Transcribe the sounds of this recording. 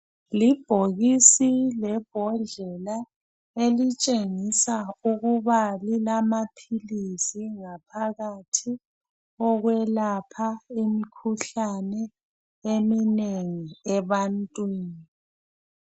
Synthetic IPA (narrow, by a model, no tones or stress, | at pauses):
lib̥ʱoɣisilɛb̥ʱɔɮɛla | elit͡ʃʼeŋisauɣuβalilamapʰilisiŋapʰaɣatʰi | ɔɣwɛlapʰaimikʰuɬanɛ | emineŋiɛβantʼwiːni